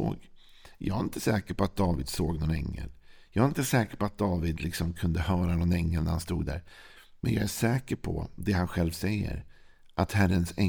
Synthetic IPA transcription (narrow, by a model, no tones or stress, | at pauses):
oːɡ | jʔɑ̰ːɡaɪnt̪ʰə̥sɛːkəɾpʰɔat̪̚d̪ɑːvɪd̪soːɡnɔnɛ̰ŋːə̰ljɑːɡɪnt̪əsɛːkəɾpɔat̪̚d̪ɑːvɪd̪lɪksɔmkʰɵnd̪əhœːɾanɔnɛŋːəlnæɾhanst̪ṵːɡ̪̚d̪æ̰ːɾmʔɛnjɑːæʂɛːkəɾpʰɔ̰d̪ɛhanɧɛlvsɛjːə̰ɾ | ʔat̪hæɾːənsɛ